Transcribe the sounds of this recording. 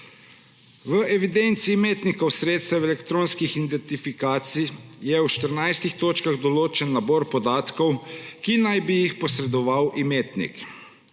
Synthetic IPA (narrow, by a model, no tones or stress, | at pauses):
ʋəʔɛʋid̪ent̪siːmeːt̪nikɔwsɾeːt̪st̪ɛwɛlɛkt̪ɾoːnskixind̪ɛnt̪ifikaːt̪sijɛwʃt̪əɾnajst̪ixt̪oːt͡ʃkaɣd̪ɔloːt͡ʃɛnːabɔːɾpɔd̪aːt̪kɔwkinajbijixpɔsɾɛd̪ɔʋawʔimeːt̪nḭk